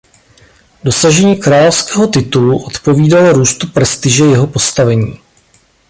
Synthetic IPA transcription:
do̞saʒɛɲiːkɾaːlofskɛːɦo̞t̪ɪt̪uluʔot̪po̞viːdaloɾuːst̪upɾɛst̪ɪʒɛjɛɦo̞po̞st̪avɛɲiː

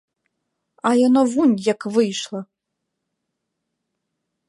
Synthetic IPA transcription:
ajɔnɔvunʲjakvɨjʂlˠɐ

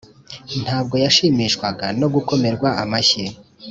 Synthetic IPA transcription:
n̥haːb̚ɡo̞jaʃiːmiʃkwaɡano̞ɡuko̞me̞ɾɡwaamaçe

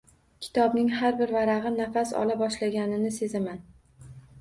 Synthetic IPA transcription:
kʲʰɪ̥t̪ʰɒbnɪŋɦaɾbɪɾvaɾaʁɨnafasɒ̰labɒʃlaɡʲanɪnɪse̞zaman

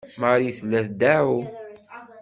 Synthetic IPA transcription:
maɾiθlːæθd̪æʕu

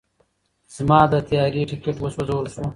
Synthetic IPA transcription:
z̥mɑːd̪ət̪jaːɾiʈɪkeʈwɐswɐzoːɾsu

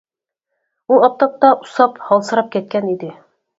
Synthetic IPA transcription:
ulˠɑp̚t̪ɑp̚t̪ɑʔusɑphɑlˠsɤ̆ɾɑp̚kæt̪̚kænid̪ɘ

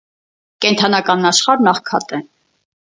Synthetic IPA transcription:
kɛnt̪ʰɑnɑkɑnːɑʃχɑɾnɑχkʰɑt̪ɛ

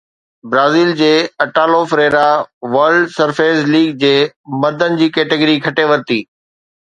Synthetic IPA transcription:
bɾaːziːld͡ʑeːɐʈaːlofɾeːɾaʋəɾɖsɐɾfeːzliːɡ̚d͡ʑeːmɐɾd̪ʱənɪ̆d͡ʑiːkeːʈɪɡəɾikʰɐʈeʋɐɾt̪iː

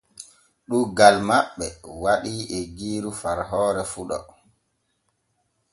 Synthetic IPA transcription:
ɗuɡalmaɓːɛwaɗiːɛɡiːɾufaɾɦɔːɾɛfuɗɔ̰

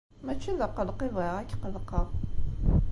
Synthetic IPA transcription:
mæt͡ʃːiðæqːəlqivʁeʁækːqəlqːəʁ

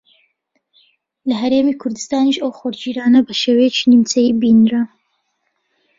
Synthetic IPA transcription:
lɐɦɐɾeːmiːkʰʊɾd̪ɨst̪aːniʃɐwxoɾd͡ʒiːɾaːnɐbɐʃewejet͡ʃʰiːnimt͡sɐjiːbinɾa

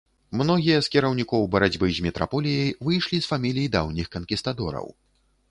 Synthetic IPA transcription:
mnɔɣʲijɐskʲiɾɐwnʲikɔwbɐɾad͡zʲbɨzʲmʲɛt̪ɾa̰pɔlʲijɛjvɨjʂlʲisfamʲilʲijid̪awnʲixkɐnkʲist̪ad̪ɔɾɐ̰w

